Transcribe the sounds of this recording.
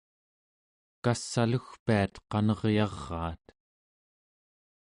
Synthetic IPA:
kasːaluxpiat̪qɑnʌʁjɑʁːɑ̰ːt̪

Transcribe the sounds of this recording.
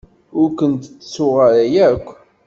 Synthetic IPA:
ʊɾkʷənt̪t͡sːsʊʁəɾæjækʷː

